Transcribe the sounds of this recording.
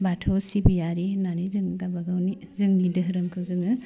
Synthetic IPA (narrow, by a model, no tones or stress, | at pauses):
batʰɔwsibijaɾinanizɯŋɡabaɡawni | zɯŋnidɯɦɯɾɯmkʰɯwzɯŋɯ